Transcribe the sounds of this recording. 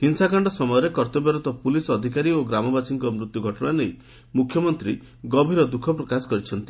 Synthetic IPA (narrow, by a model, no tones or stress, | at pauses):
ɦinsakaɳɖɔsɔmɔjɔɾekɔɾt̪ɔbjɔɾɔt̪ɔpulisɔd̪ʱikaɾioɡɾamɔbasiŋkɔmɾut̪juɡʱɔʈɔɽ̃anej | mukʰjɔmɔnt̪ɾi | ɡɔbʱiɾɔd̪ukʰɔpɾɔkasɔ̥kɔɾit͡ʃʰɔnt̪i